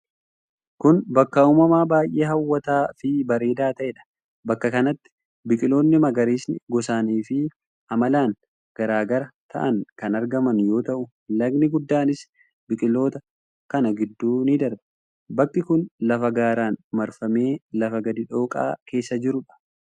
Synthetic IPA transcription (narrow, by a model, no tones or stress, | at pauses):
kʊnbɐkːɐuːmɐmaːbaːjʔe̞ːɦɐwːɐt̪aːfɪbɐɾe̞ːd̪aːt̪ɐʔɛᶑɐ̥ | bɐkːɐkɐnɐt̪ːɪ̥ | bɪkʼɪlo̞ːnːɪmɐɡɐɾiːsnɪɡɔsaːniːfɪ | ʔɐmɐlaːn | ɡ̥ɐɾaːɡɐɾɐt̪ʰɐ̰ʔɐŋkɐnɐɾɡɐmɐnjo̞ːt̪ɐʔʊ | lɐɡnɪɡʊd̪ːaːnɪs | bɪkʼɪlo̞ːt̪ɐ | kɐnɐɡɪd̪ːuːnɪd̪ɐɾbɐ | bɐkːɪkʊnlɐfɐɡaːɾaːnmɐɾfɐme̞ːlɐfɐɡɐd̪ɪᶑo̞ːkʼa̰ːke̞ːsːɐd͡ʒɪɾʊᶑɐ̥